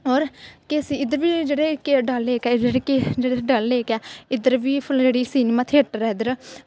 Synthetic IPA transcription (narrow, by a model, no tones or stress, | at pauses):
oːɾkeəsĩːɪd̪əɾʋiːd͡ʒeːɽeːkeɖəleːkɛːd͡ʒeːɽeːked͡ʒeːɽeɖəlːeːkaːɪd̪əɾʋiːpʰʊld͡ʒeːɽiːsiːnemãːt̪ʰeːʈɾɛːd̪əɾ